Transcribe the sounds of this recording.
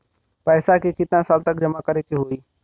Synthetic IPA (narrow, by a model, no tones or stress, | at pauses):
pɛːsakekɪt̪ãsaːlt̪əkd͡ʒəmakəɾekeɦoiː